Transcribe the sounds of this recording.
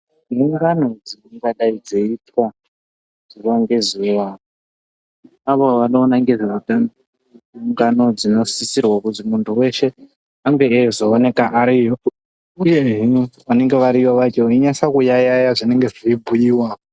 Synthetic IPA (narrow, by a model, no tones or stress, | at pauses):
niuŋɡano̞d͡ziuŋɡaɗaid͡zeitwa | z̥urwaŋɡe̞zuʋao | aʋoʋanoːnaŋɡizauta | uŋɡano̞d͡zino̞sisirwakutimuntʰuwe̞ʃe̞ | aŋɡe̞ːzoːne̞kaʔaɾijo | ujeɦiʋane̞ŋɡe̞ʋaɾiʋaʋat͡ʃeiɲasakujajajaʐine̞ŋɡe̞ʐiibʱujiːwaːo